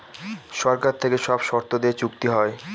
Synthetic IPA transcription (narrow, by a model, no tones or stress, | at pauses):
ʃɔɾkaɾt̪ʰekeʃɔbʃɔɾt̪od̪et͡ɕukt̪iɦɔe